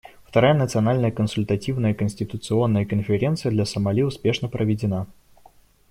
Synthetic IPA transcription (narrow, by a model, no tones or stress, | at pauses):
ft̪ɐɾajənət̪sɨɐnalʲnəjəkənsʊlʲt̪ɐtʲivnəjəkənsʲtʲɪt̪ʊt̪sɨo̞nːəjəkənfʲɪɾʲe̞nt̪sɨjəd̪lʲɐsəmɐlʲiʊspʲe̞ʂnəpɾʔəvʲɪdʲɪna